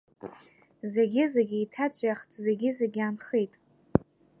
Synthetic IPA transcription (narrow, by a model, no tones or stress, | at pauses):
ze̞ɡʲɪzeɡʲiitʰat͡ʃʷʼjaχtʰʼze̞ɡʲɪzeɡʲanχejtʼ